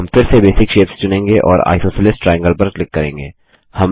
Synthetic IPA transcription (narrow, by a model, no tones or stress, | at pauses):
mfɪɾsebeːsɪkʃeːpst͡ʃʊnẽːŋɡeʔɔ̰ːɾa̰ːɪsoːsɪlɪsʈʈɾaːjə̃ŋɡəlpɐɾklɪkːɐɾẽːŋɡḛː | hɐm